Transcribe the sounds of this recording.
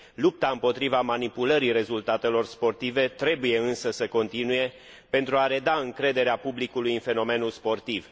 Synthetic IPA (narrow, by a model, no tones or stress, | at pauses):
lup̚t̪aɨmpo̞t̪ɾivamanipuləɾire̞zult̪at̪e̞lo̞rspo̞rt̪ive̞t̪ɾe̞buje̞ɨnsəsəko̞nt̪inuje̞ | pe̞nt̪ɾuaɾe̞d̪aɨŋkɾe̞d̪e̞ɾeapublikulujɨnfe̞no̞me̞nulspo̞rt̪iv